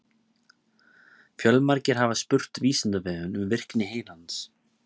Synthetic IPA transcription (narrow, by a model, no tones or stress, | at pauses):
fjœlmaɾcɪɾ̥ɦavaspʏr̥t̪viːsɪnt̪avɛːðʏnʏmvɪr̥knɪɦeːjlant̪s